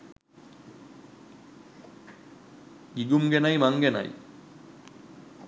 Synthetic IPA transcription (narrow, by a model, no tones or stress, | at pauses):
ɡiɡumɡenajmaŋɡena̰j